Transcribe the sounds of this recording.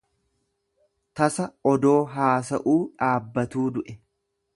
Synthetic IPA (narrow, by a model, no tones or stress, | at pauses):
t̪ɐsɐɔd̪o̞ːɦaːsɐʔuːᶑaːbːɐt̪uːd̪ʊʔɛ